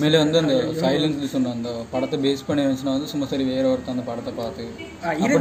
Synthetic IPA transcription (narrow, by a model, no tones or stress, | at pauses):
meːleʋɐnd̪uɐnd̪ɐsɐjlɐns̬lisunɖɐɐnd̪ɐpɐɽɐt̪ɐbeːspɐɳeʋɐnsɐnɐʋɐnd̪usumːɐsaːɾiʋeːɾɐʋɐɾut̪ɐnd̪ɐpɐɽɐt̪ɐpaːt̪i | ɐpɐ